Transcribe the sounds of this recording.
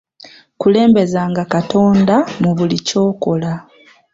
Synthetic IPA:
kule̞ːmbe̞zaːŋɡakato̞ːndamuβulico̞ːko̞la

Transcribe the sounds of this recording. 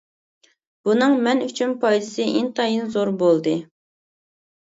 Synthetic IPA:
b̥unɨŋmɛnyt͡ʃʰynpʰɑjd̪ɨsɨʔint̪ʰɑjɨnzoɾbolˠd̪ɨ

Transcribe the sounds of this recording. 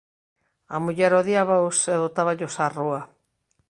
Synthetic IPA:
amuʎɛɾoðiaβaoseðot̪aβaʎosarua

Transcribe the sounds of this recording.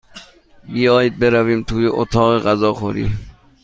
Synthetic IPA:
bijɒːjid̪̚beɾæviːmt̪ʰuːjeʔot̪ʰɒːɣeɣæzɒːxoɾḭː

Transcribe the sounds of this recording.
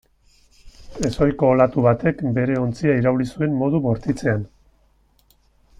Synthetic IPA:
e̞so̞jko̞ːlat̪uβat̪e̞kbe̞ɾe̞o̞nt͡siaiɾaulisue̞mmːo̞ð̞uβo̞ɾt̪it͡se̞an

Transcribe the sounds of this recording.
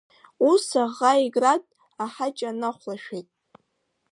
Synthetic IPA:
usaʁaiɡratʼ | aħat͡ʃʼanaχʷlaʃᶣejtʼ

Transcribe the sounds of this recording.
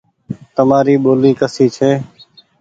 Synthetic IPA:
t̪əmaːɾiːɓoːliːkəsiːt͡ʃʰeː

